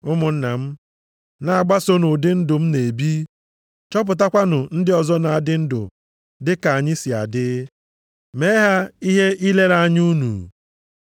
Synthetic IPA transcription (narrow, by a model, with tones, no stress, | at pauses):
ʊ˦mʊ˨n̩˦na˨m̩˦ | na˨a˨ɡ͡ba˦so˦no˨dɪ˦n̩˦dʊ˨m̩˦ne˨bi˦ | t͡ʃɔ˦p̬ʊ˨t̬a˦kʷa˦nʊ˨n̩˦dɪ˦ɔ˨zɔ˦na˨a˨dɪ˦n̩˦dʊ̰˨ | dɪ˦ka˨a˨ɲɪ˦si˨a̰˨dɪ˦ | me˦ɦa˦i˦ɦe˦i˦le˦ɾa˨ɲ˦u˦nṵ˨